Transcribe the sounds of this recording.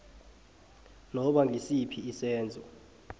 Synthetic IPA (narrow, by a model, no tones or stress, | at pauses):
nɔɓaŋʱisipʰiːsɛːnd͡zʱɔ